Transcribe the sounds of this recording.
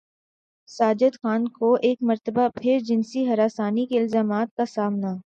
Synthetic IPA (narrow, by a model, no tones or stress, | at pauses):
saːd͡ʒəd̪xaːnkoʔeːkmɐɾt̪əbapʰɪɾd͡ʒɪnsiɦɐɾaːsaːnikeɪlzaːmaːt̪̚kasaːmna